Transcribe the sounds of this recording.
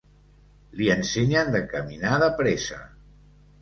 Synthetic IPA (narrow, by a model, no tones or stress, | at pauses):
liənseɲənd̪əkəminaðəpɾesə̰